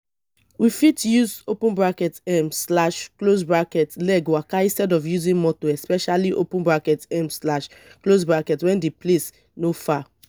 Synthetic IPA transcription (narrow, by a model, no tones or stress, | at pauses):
wifitjuzopũnbɹakɛtɛmslaʃklosbɹakɛtlɛɡwakaĩnstɛdɔfjuzĩnmɔtoɛspɛʃaliʔo̰pũnbɹakɛtɛ̃mslaʃklosbɹakɛtwɛ̃ndeples | nofa